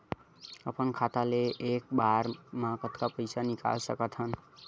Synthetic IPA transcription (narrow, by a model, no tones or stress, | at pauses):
əpənkʰat̪aleʔek̚baɾmakət̪kapəjsanika̰lsə̰kət̪ɦən